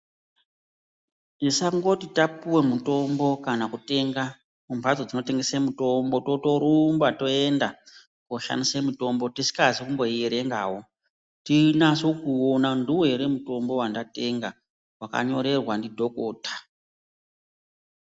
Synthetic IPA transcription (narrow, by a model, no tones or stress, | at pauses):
nisaŋɡo̞titapuwe̞muto̞mbo̞kanakute̞ŋɡa | mumad͡zo̞d͡zino̞te̞ŋɡesemuto̞mbo̞to̞to̞ɾumbato̞e̞nda | koʃa̰nisemuto̞mbo̞tisi̥kazikumbo̞jeɾe̞ŋɡawo̞ | tinaso̞kuonanduwoeɾe̞muto̞mbo̞wandate̞ŋɡa | waka̰ɲo̞ɾe̞rwandidʱo̞ko̞ːtḁ